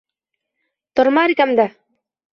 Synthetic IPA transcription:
t̪ɔɾmaːɾikamd̪a

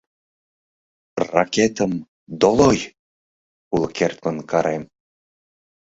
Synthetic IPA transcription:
rɑkʲet̪əm | d̪oloj | ulˠkert̪mənkɑɾem

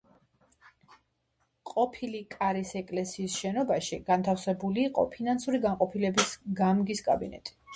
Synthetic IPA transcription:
qʼɔpʰilikʼaɾisɛkʼlɛsiːsʃɛnɔbaʃiɡ̥ant̪ʰafsɛbuliːqʼɔ̰pʰinansuɾiɡanqʼɔpʰilɛbisɡamɡiskʼa̰binɛ̰t̪ʼi̥

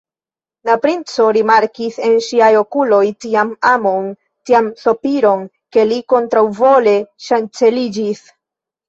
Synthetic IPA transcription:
napɾint͡so̞ɾimaɾkise̞nʃiajo̞kulo̞jtiamamo̞n | tiamso̞piɾo̞n | ke̞liko̞ntɾawvo̞le̞ʃant͡se̞lid͡ʒis

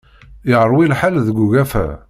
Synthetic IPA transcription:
jʁəɾˤwilħalðəɡuɣæfæ̰

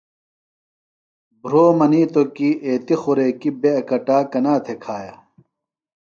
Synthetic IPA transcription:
bɾoːmɐniːt̪okiːʔeːt̪ixuɾeːkibeɐkɐʈaːkɐnaːt̪ʰekʰaːjaː

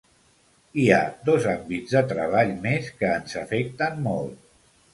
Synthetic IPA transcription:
iad̪ɔzambid͡zðət̪ɾəβ̞aʎmeskəːnzəfɛk̚t̪ənmɔlˠt̪̚

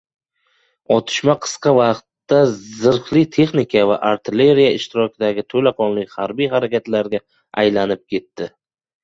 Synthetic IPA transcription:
ɒt̪ʰɪ̥ʃmaqʰɨ̥sqɑvɑqt̪ːazɪɾflɪt̪ʰe̞χnɪkʰavaʔaɾt̪ʰɪle̞ɾijaɪʃt̪ɪɾɒkʲʰɪd̪aɡʲɪt̪ʰolaqʰɒnlɪkʲhaɾbijɦaɾakʲat̪laɾɡʲa | ajlanɪp̚kʲʰe̞t̪ːɪ

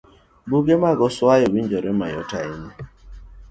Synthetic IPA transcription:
buɡemaɡɔswajɔwind͡ʒɔɾema̰jɔ̰taiɲɛ

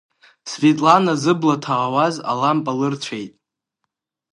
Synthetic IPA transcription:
svetʼlanazɨblatʰaʁawaza̰lampʼalɨrt͡ʃʷʰejtʼ

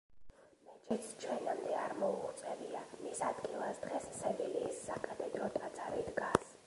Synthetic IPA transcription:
mɛt͡ʃʼit̪sʰt͡ʃʰwɛnamd̪ɛaɾmɔuχt̪sʼɛviamisad̪ɡilˠasd̪ʁɛsːɛbiliːsːakʼat̪ʼɛd̪ɾɔt̪ʼat̪sʰʼaɾid̪ɡas

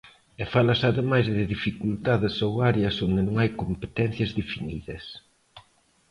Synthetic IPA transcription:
ɛfalɐsaðemajzðɪðifikult̪aðɪsowaɾeɐsond̪ɪnõŋajkompe̥t̪ɛn̟θjɐzðefiniðɐs

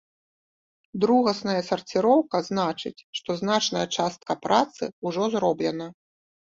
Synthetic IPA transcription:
d̪ɾuɣɐsnɐjɐsɐrt͡sʲiɾɔwkɐznat͡ʂɨ̰t͡sʲʂt̪ɔznat͡ʂnɐjɐt͡ʂast̪̚kɐpɾat̪sɨ̰uʐɔzɾɔblʲɛnɐ

